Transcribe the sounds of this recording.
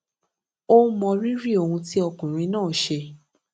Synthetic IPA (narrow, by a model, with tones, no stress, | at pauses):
o˦mɔ̃˧ɾi˦ɾi˦˨o˨˧hũ˧ti˦ɔ˧kũ˨ɾ̃ĩ˧˦nãː˦˨ʃe˧